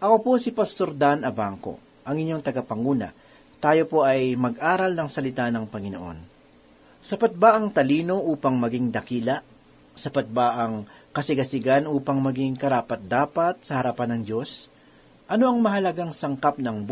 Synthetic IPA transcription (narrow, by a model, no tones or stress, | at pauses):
ʔɐko̞po̞sɪpɐst̪oɾd̪anɐbaŋko̞̰ | ʔɐŋɪɲːoŋt̪ɐɡɐpɐŋuːnɐ̰ | t̪aːjo̞po̞ʔɐjmɐɡʔaːɾɐlnɐŋsɐlɪt̪anɐŋpɐŋɪno̰ʔo̞̰n | sɐpɐt̪̚baʔɐŋt̪ɐliːno̞ʔuːpɐŋmɐɡiŋd̪ɐkiːlɐʔ | sɐpɐt̪̚baʔɐŋkɐsɪɡɐsɪɡanuːpɐŋmɐɡiŋkɐɾaːpɐt̪̚d̪aːpɐt̪̚sɐhɐɾɐpanɐŋd͡ʒo̞s | ʔɐno̞ʔɐŋmɐɦɐlɐɡaŋsɐŋkap̚nɐŋb